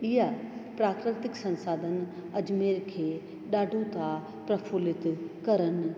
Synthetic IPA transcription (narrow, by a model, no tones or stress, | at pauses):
ɪjapɾaːkɾɪt̪ɪksɐ̃nsaːd̪ʱənɐd͡ʒmeːɾkʰeː | ɗaːɖʱõt̪a | pɾɐfʰulɪt̪kɐɾən